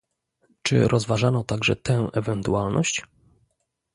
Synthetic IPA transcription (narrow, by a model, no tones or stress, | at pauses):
t͡ʂɘ̰ɾʔɔzvaʐanɔt̪aɡʐɛ̰t̪ɛ̃wʔɛvɛnt̪ualnʔɔɕt͡ɕ